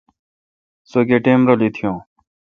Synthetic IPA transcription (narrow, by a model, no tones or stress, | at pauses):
soːɡeːʈeːmɾoːliːt̪ʰɪjõː